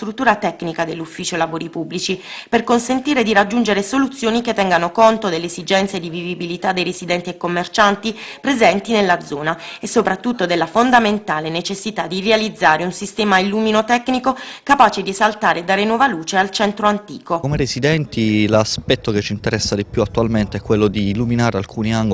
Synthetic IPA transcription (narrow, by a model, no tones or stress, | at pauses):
t̪ɾut̪ːuːɾat̪ɛkːnikad̪elːufːiːt͡ʃolavoːɾipubːlit͡ʃiperkonsent̪iːɾed̪irad͡ʒːund͡ʒeɾesolut̪sːjoːniket̪ːɛŋɡanokont̪od̪elːeesid͡ʒɛnt̪sed̪ivivibilit̪ad̪ejrezid̪ɛnt̪iekːomːert͡ʃant̪ipɾezɛnt̪inelːad̪zɔːnaesːopɾat̪ːut̪ːod̪elːafond̪ament̪aːlenet͡ʃesːit̪ad̪ːirealid̪zːaːɾeunsist̪ɛːmailːuːminot̪ɛkːnikokapaːt͡ʃed̪iezalt̪aːɾed̪aːɾenwɔːvaluːt͡ʃealt͡ʃɛnt̪ɾoant̪ḭːkoomeɾesid̪ɛnt̪ilaspɛt̪ːoket͡ʃːint̪eɾɛsːad̪ipjuat̪ːualment̪eɛkːwelːod̪iːlːuminaːɾealkʰuːniaŋɡ